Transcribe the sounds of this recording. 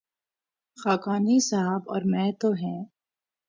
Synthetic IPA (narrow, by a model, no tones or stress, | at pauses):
xaːkaːnisaɦaːbɔ̰ːɾmɛ̃ːt̪oɦɛ̃ː